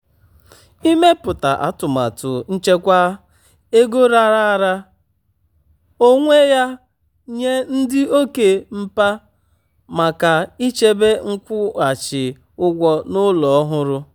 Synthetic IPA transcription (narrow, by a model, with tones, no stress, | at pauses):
i˦me˦pʊ˨ta̰˨ʔa̰˦tʊ˨ma̰˨tʊ˨n̩˦t͡ʃe˦kʷa˦ | e˦ɡo˦ɾa˦ɾa˦ɾa˦ | o˦ŋʷe˦ja˦ | ɲe˦n̩˦dɪ˦o˦ke˨m̩˦pa˦ | ma˨ka˨i˦t͡ʃe˦be˦ŋ̩˦kʷʊ˦a˨t͡ʃɪ˨ | ʊ˦ɡʷɔ˦nʊ˦lɔ˨ɔ˦ɦʊ˦ɾʊ˦